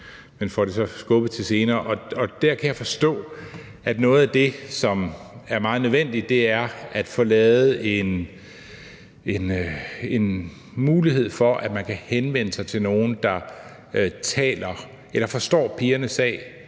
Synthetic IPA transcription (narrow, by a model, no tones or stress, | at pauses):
menfɒɾe̝sɒ̽sɡ̥ɔ̽b̥ð̩ˠt͡sʰe̝lse̝ːnɐːʔɒ̽ɒ̽d̥æɐkʰæjɑ̈ɪfɒ̽sd̥ɔ̰̽ː | ʔæd̥nɔ̽ːð̞̩ˠæd̥e̝sɒ̽mæɐmɑ̈ːð̞̩ˠnø̞ʋen̰d̥id̥̚ːe̝æɐæd̥fɔ̽ːlɛːð̩ˠe̝n | e̝ne̝n | muːliɦe̝ð̰ˠfɒ̽ʔæd̥mænkʰæhenʋen̰əsɑ̈ɪt͡sʰe̝lno̝ːn̩d̥ɑ̈ | t͡sʰɛ̰ːlɐ | elɐfɒ̽sd̥ɒ̰ːpʰiːɐnəsɛ̰ːɪ